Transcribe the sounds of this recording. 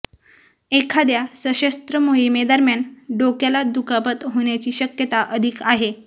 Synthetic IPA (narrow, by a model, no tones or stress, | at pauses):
ekʰad̪jasəɕəst̪ɾəmoɦimed̪əɾmjanɖokjalad̪ukapət̪ɦoɳ̃jat͡ɕiːɕəkjət̪aʔəd̪ʱikaɦe